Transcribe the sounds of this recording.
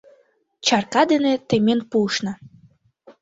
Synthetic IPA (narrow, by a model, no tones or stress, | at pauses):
t͡ɕɑrkɑd̪enet̪emenpuʃnɑ